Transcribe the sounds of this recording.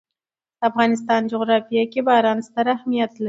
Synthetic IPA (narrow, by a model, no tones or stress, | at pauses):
afɣɑnɪs̬t̪ɑnd͡ʒoɣɾɑfijakʲebɑɾɑnst̪aɾahmijat̪la